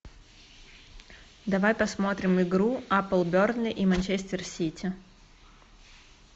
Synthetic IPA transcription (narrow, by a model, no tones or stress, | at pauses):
d̪ɐvajpɐsmot̪ɾʲɪmɪɡɾuapəlˠbʲornlʲɪʔimɐnʲt͡ɕesʲtʲɪrsʲitʲɪ